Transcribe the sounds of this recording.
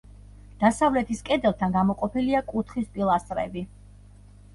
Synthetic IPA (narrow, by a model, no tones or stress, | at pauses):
d̪̥asavlɛt̪ʰiskʼɛd̪ɛlˠt̪ʰanɡamɔqʼɔpʰiliakʼut̪ʰχispʼilˠast̪ʼɾɛbi